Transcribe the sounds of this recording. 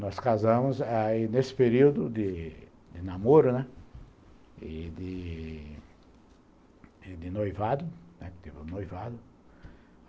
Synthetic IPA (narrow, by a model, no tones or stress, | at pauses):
nɔskazɐ̃mʊzainesɪ̥peɾiwd̪ʊd̪ɪ | d̪ɪnamoɾʊnɛ | ɪd̪ɪ | d̪ɪnojvad̪ʊnɛt̪ipʊnojvad̪ʊ